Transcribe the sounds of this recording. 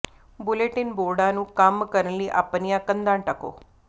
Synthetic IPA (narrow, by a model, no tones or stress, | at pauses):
bʊleʈinboːɾɖanũːkamkəɾənliːʔa̰pːənijakənd̪aːɳʈɐko̰ː